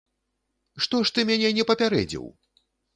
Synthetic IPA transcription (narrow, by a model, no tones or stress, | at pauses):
ʂt̪ɔʂt̪ɨmʲanʲɛnʲɛpɐpʲaɾɛ̰d͡zʲḭw